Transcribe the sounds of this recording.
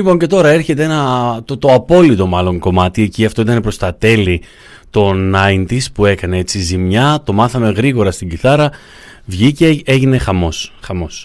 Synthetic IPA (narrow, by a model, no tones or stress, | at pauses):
lipo̞ɲce̞t̪o̞ɾɐe̞ɾçe̞t̪eenɐt̪ot̪o̞ɐpo̞lit̪o̞mɐlo̞ŋko̞mɐt̪ie̞ciɐft̪o̞it̪ɐnepɾo̞st̪ɐt̪e̞li | t̪o̞nɐint̪ispue̞kɐne̞et͡sizimɲɐt̪o̞mɐθɐme̞ɣɾiɣo̞ɾɐst̪iɟiθɐɾɐ | vʝiceeʝine̞xɐmo̞sxɐmo̞s